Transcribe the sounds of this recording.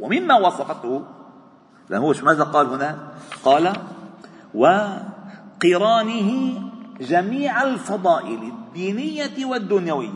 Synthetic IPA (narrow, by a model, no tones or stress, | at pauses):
wamɪmːawɑsˤɑfɑt̪hʊ | ɪlʔa̰nhʊwːʃmaːðaqɑːlhʊnaqɑːla | wɪ | qiɾɑːnɪhɪd͡ʒamiːʕalfɑd̪ˤɑːʔɪlɪd̪ːiːnɪjːawad̪ːʊnjawɪjːa